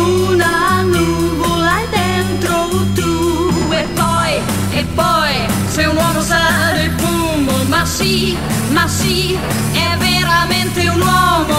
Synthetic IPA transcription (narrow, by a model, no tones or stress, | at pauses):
unanuβolajðent̪ɾot̪u | epɔj | epɔj | sewnɔmʊsadepu | momasːi | masːi | ɛveɾamẽnt̪ɪunɔmo